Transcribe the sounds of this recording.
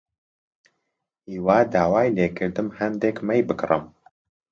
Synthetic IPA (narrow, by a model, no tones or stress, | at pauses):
iːwaːd̪aːwaːjleːkʰɨɾd̪ɨmhɛnd̪ekmɛjbɨkrɨ̰m